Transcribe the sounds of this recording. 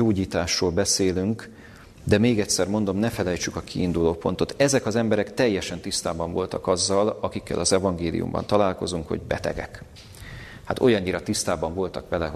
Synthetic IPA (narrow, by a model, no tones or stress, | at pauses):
oːɟiːt̪aːʃroːlbɛseːlyŋk | d̪ɛmeːɡɛcʲsɛrmo̞nd̪o̞mnɛfɛlɛjt͡ʃykɒkʰiːnd̪uloːpo̞nt̪o̞t̪ɛzɛkɒzɛmbɛɾɛkt̪ɛjːɛʃɛnt̪ist̪aːbɒɱvo̞lt̪ɒkɒzːɒlɒkikːɛ̰lʔɒzɛvɒŋɡeːlḭṵmbɒ̰nt̪ɒlaːlko̞zuŋkho̞̰ɟbɛ̰t̪ɛ̰ɡɛ̰k | hat̪o̞̰jɒɲːiɾɒt̪ist̪aːbɒɱvo̞lt̪ɒkʋɛlɛ